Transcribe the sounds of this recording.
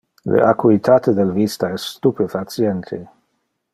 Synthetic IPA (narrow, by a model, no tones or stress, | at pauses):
lḛʔakuit̪ʰat̪ed̪elvist̪aɛsːt̪upefat̪sjent̪ʰḛ